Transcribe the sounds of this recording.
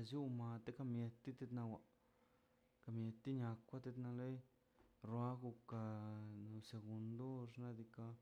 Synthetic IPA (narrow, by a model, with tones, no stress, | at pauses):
zju˦ma˧t̪e˦ka˧mje˧t̪ːi˦t̪e˧t̪na˧wa˧ | ka˧mje˧t̪i˦ɲa˧kʷːa˦t̪e˧t̪na˧le˦j | ɾwa˦ɡu˧ka˧nu˧se˧ɡu˧nd̪o˦ʂna˧d̪i˧ka˧